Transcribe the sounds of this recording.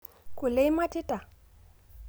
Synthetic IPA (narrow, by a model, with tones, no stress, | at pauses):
kʊ˨le˦i˦ma˦tʼɪ˦tʼa˨